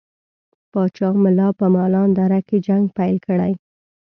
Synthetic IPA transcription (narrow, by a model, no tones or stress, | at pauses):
pɑt͡ʃɑmʊlɑpəmɑlɑnd̪aɾaked͡ʒaŋɡpajlkəɽaj